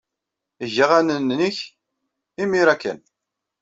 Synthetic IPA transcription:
ʝaʁænənniç | imiɾækːə̰n

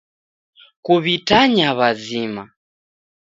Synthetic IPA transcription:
kuβitaɲaβazima

